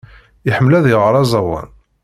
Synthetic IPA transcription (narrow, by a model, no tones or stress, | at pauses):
ɪħəmːlæðjəʁəɾˤɑzˤɑwɑ̰n